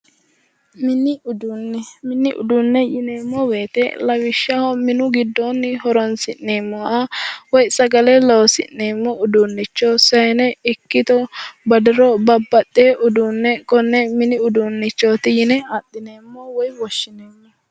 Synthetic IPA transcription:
mɪnɪʔʊd̪unːɛmɪnːɪʔʊ̰d̪ʊnːɛjɪneːmːɔweːt̪ɛ̰lɐwɪʃːɐhɔmɪnʊɡɪd̪ːonːɪhɔɾɔnsɪnːeːmːɔʔɐwɔjsɐɡɐlɛlowsɪ̰nːeːmːɔʊd̪unːɪt͡ʃːɔsɐjnɛɪkːɪt̪ɔbɐd̪ɪɾɔbɐbːɐt̪ːeːʔʊd̪unːɛkɔnːɛmɪnɪʊd̪unːɪt͡ʃːot̪ɪjɪnɛat̪ːɪne̞ːmːɔwɔjwɔʃːɪneːmːɔ

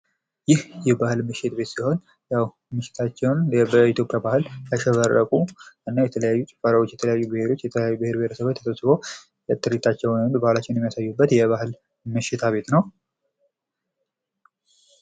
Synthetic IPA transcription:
jɪhjɛbahɨlmɨʃɪt̪be̞t̪siho̞n | jaw | mɨʃːɪ̥t̪ʰat͡ʃːɛwnəit̪ʰjo̞pʼjabahɨljaʃɛβərːəkʼuʔɨnːajɛt̪ʰələjajːut͡ʃʼɪ̥faɾawot͡ʃːjɛt̪ʰələjajːubɨhe̞ɾo̞t͡ʃːjɛt̪ʰələjajːubɨhe̞ɾbheɾəsəβat̪ʰːəsəsɨbo̞ | jɛt̪ʼːɨɾit̪ʰat͡ʃːɛwənbahlat͡ʃːɛwnjɛmːijasajːubːət̪jɛβahɨl | mɨʃɪt̪ʰaβe̞t̪nəw

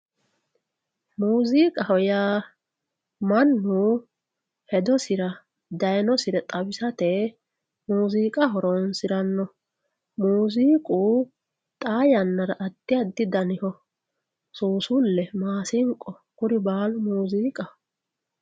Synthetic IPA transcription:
muːziːkʼɐhɔjaː | mɐnːu | hɛd̪ɔsɪɾɐ | d̪ɐjnɔsɪɾɛt̪ʼɐbɪsɐt̪ɛ | muːziːkʼɐhɔɾɔnsɪɾɐnːɔ | muːziːkʼuː | t̪ʼaːjɐnːɐɾɐʔɐd̪ːɪjɐd̪ːɪd̪ɐnɪhɔ | suːsʊlːɛmaːsɪŋkʼːɔ | kʊɾɪbaːlʊmuuːziːkʼɐ

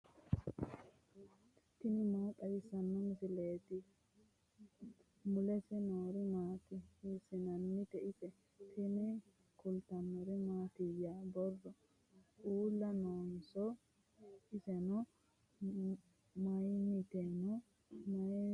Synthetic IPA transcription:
t̪ːɪnɪmɐt̪ʼɐjɪsɐnːɔmɪsɪleːt̪ɪ | mʊlɛsɛnoːɾɪmaːt̪ɪhisɪnɐnːɪt̪ɛʔɪsɛ | t̪ʰɛnɛ | kʊlt̪ɐnːɔɾɪmaːt̪ɪjːaːbɔrːɔ | t͡ʃuːlːɐnoːnsɔ | ɪsɛnɔ | mɐjɪmɪt̪ɛnɔ | mɐ

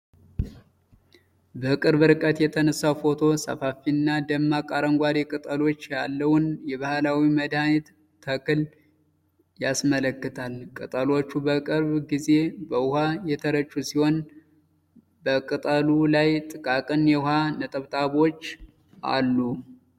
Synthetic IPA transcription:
bəkʼɨɾβɨɾɨkʼət̪jɛt̪ʰənəsːawfo̞t̪ʰo̞sə̰fafiɨnːad̪əmːakʼaɾəŋɡʷaɾekʼɨt̪ʼəlo̞t͡ʃːjalːəwʊnjɛβahlawiməd̪anet̪ | t̪ʰːəkɨl | jasmələkːɨt̪ʰalkʼɨt̪ʼəlo̞t͡ʃːubəkʼɨɾβɡize̞bəʊhajɛt̪ʰəɾət͡ʃʼːusiho̞n | bəkʼɨt̪ʼəlulajt̪ʼɨkʼakʼɨnjɛʊhanət̪ʼəβt̪ʼaβo̞t͡ʃː | ʔa̰lːu

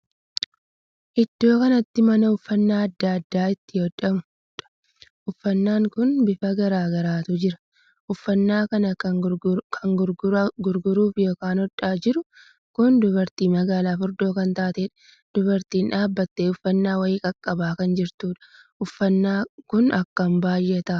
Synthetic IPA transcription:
ʔɪd̪̥ːo̞ːkɐnɐt̪ːɪmɐnɐʊfːɐnːaːɐd̪ːaːɐd̪ːaːɪt̪ːɪhɔd̪ɐmʊ̥ | ᶑɐ̥ | ʔʊfːɐnːaːŋkʊnbɪfɐɡɐɾaːɡɐɾaːt̪ʊd͡ʒɪɾɐ̥ | ʔʊfːɐnːaːkɐnɐ | kʰɐŋɡʊɡɡʊɾɡʊɾuːfjo̞ːkaːnhɔᶑaːd͡ʒɪɾʊ | kʊnd̪ʊbɐɾt̪iːmɐɡaːlaːfʊɾd̪o̞ːkɐnt̪aːt̪eːᶑɐ̥ | d̪̥ʊbɐɾt̪iːnᶑaːbːɐt̪ːeːʊfːɐnːaːwɐiːkʼɐkʼːɐbaːkɐnd͡ʒɪɾt̪uːᶑɐ̥ | ʔʊfːɐnːaːkʊnɐkːɐmbaːjʔet̪ɐʔ

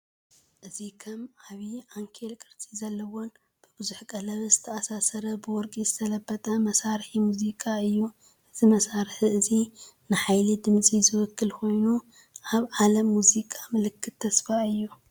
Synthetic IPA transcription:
ʔɨzikʰɐmaβiʕaŋkʰelkʼɨɾt͡sʼizɐlːɐwo̞n | b̥ɨbɨzuħkʼɐlɐβzɨt̪ʰɐasasɐɾɐbɨwɔɾkʼizɨt̪ʰɐlɐbːɐt̪ʼɐmɐsaɾħimuzikʼaɨjːu | ʔɨt̪ʰimɐsaɾħiɨzinɨħajlid̪ɨmt͡sʼizɨwɔkʰːɨlko̞jnu | ʔaβʕalɐmːuzikʼʰḁmɨlɨkʰːɨt̪ʰːɐsfaɨjːu

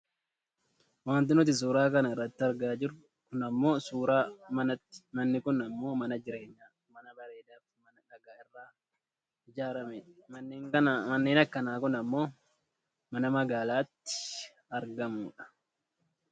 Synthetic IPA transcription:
waːnt̪̬ɪnʊt̪̬ɪs̬uːɾaːkɐnɐɪrːɐt̪ːɪɐɾɡaːd͡ʒɪɾ | kʊnɐmːo̞ːsuːɾaːmɐnɐ̥mɐnːɪkʊnɐmːo̞ːmɐnɐd͡ʒɪɾe̞ːɲːaː | mɐnɐbɐɾeːd̪aːfmɐnɐnɐɡaːɪrːaː | ɪd͡ʒaːɾɐmɛᶑɐnːeːŋkɐnmɐnːeːnɐkːɐnaːkʊnɐmːo̞ː | mɐnɐmɐɡaːlaːt̪ːɪ̥ | ɐɾɡɐmuːᶑɐ̥

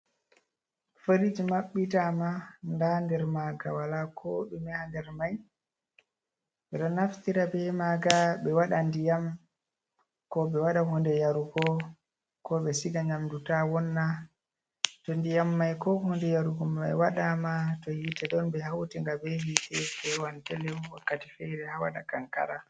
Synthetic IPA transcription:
fəɾid͡ʒimaɓːitamandandɛɾmaɡa̰walakʰɔɗumɛhandɛɾmaj | ɓɛɗɔnːaftiɾabɛmaɡaɓɛwaɗandijam | kɔɓɛwaɗahɔndɛjaɾuɡɔ | kɔɓɛsiɡaɲamdutawɔnːa | tɔndijamːajkɔhɔndɛjaɾuɡɔmɛ̰waɗamatɔhitɛɗɔnbɛhawtiŋɡabɛhiːtɛfɛwantɛlɛwakːatifɛɾɛhawa̰ɗakaŋka̰ɾa

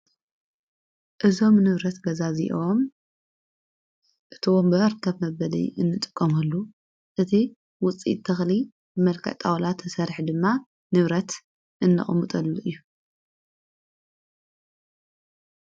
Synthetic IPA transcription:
ʔɨzo̞mnɨβɾɐt̪ɡɐzazḭʔom | ʔɨt̪ʰiwombɨɐɾkʰːɐβmɐβɐlḭɨnːɨt̪ʼɨkʼːɐmɐlːu | ʔɨt̪ʰi | wʊt͡sʼḭt̪t̪ʰːɐxli | mɐlkʰɐ̰t̪ʼawlat̪ʰːɨsɐɾħd̪ɨmːa | nɨβɾɐt̪ | ʔɨnːɐ̰χʼmɨt̪ʼɐlːuʔɨjːu

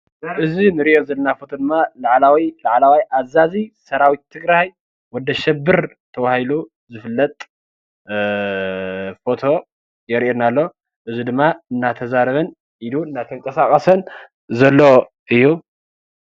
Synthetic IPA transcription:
ʔɨzinɨɾiʔozɐlɐnafo̞t̪ʰo̞d̪ɨmːalaʕlawilaʕlawajʔazazisɐɾawit̪t̪ʰːɨɡɾaj | wɔd̪ɐʃɛbːɨɾ | t̪ʰɐβahilu | zɨfɨlːɐt̪ʼ | fo̞t̪ʰo̞ | jɛɾiʔenalːo̞ | ʔɨzid̪ɨmːaɨnːat̪ʰɐzaɾɐβɐn | ʔiluɨnːat̪ʰɐŋkʼɐsakʼɐsɐn | zɐlːo | ʔɨjːu

